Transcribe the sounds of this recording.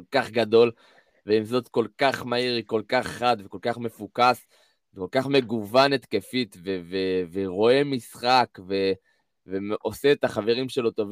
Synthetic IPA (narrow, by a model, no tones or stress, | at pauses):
olkaχɡad̪o̞l | veimzo̞t̪ko̞lkaχmaiʁiko̞lkaχːad̪veko̞lkaχme̞fukas | veko̞lkaχme̞ɡuvanet̪ke̞fit̪veveveʁo̞e̞misχakve̞ | veo̞seːt̪aχave̞ʁimʃe̞lo̞t̪o̞vi